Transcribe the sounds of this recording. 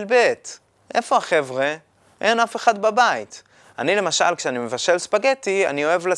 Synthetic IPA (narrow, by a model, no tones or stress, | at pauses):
lbet̪ | ʔe̞̰fo̞aχe̞vʁe̞ | ʔenafe̞χad̪babait̪ | anile̞maʃa̰lkʃeanime̞vaʃelspaɡetia̰nio̞e̞vla